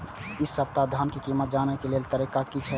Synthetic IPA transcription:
isːəb̚t̪ad̪ʱankikimət̪̚d͡ʒanɛkelelt̪əɾikakit͡ʃʰɛ

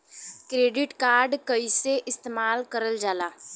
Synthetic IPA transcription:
kɾeːɖɪʈkaːɾɖkəiseʔɪst̪eːmaːlkəɾəld͡ʒaːlaː

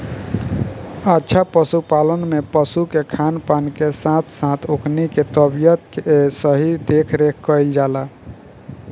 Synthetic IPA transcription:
atːʃʰapəsupalənmepəsukekʰanpankesãt̪ʰsãt̪ʰokniket̪əbijət̪kesəɦid̪ekʰɾekʰkəjld͡ʒala

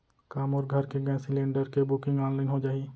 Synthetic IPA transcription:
kaːmɔːɾɡʱɐɾkeɡɛ̃sɪlẽːɳɖəɾkebʊkɪ̃ŋɡaːnlaːɪnɦod͡ʒaːiː

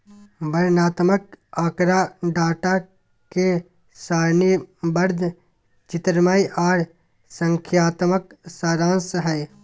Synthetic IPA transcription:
bəɾnaːt̪məkaːkɾaɖaːʈa | ke | saːɾnibəɾd̪ʱ | t͡ʃɪt̪ɾmaːiʔaːɽ | sə̃ŋkʰjaːt̪məksaːɾãːnsɦɛː

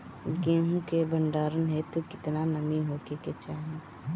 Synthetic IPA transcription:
ɡẽːɦũkebə̃ɳɖaːɾənɦɛt̪okɪt̪nanɐmiɦoːkeket͡ʃaːɦẽɡ

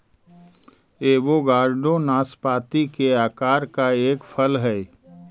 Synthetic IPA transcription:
eːʋoɡaːɾɖõnaːspaːt̪ikeaːkaːɾkaeːkfʰəlɦɛː

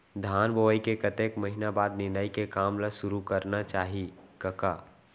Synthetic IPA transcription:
d̪ʱaːnboʋəikekət̪eːkməɦinabaːd̪nɪ̃nd̪aːikekaːmlaʃʊɾukəɾnat͡ʃaːɦikəkaː

